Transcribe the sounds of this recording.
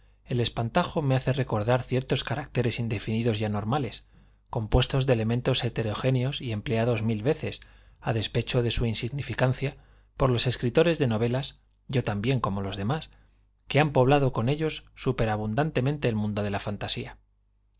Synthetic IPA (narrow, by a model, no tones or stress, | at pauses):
e̞le̞spant̪axo̞me̞aθe̞re̞ko̞ɾðaɾθje̞ɾt̪o̞skaɾak̚t̪e̞ɾe̞sind̪e̞finiðo̞zʝano̞ɾmale̞s | ko̞mpwe̞st̪o̞zðele̞mẽnt̪o̞se̞t̪e̞ɾo̞xe̞njo̞sie̞mple̞aðo̞zmilβe̞θe̞s | að̞e̞spe̞t͡ʃo̞ðe̞suinsiɣnifikan̟θja | po̞ɾlo̞se̞skɾit̪o̞ɾe̞zðe̞no̞β̞e̞las | ɟ͡ʝo̞t̪ambje̞ŋkomo̞lo̞zðe̞mas | keampo̞βlað̞o̞ko̞ne̞ʎo̞sːupe̞ɾaβ̞und̪ant̪e̞mẽnt̪e̞ːlmũnd̪o̞ðe̞lafant̪asia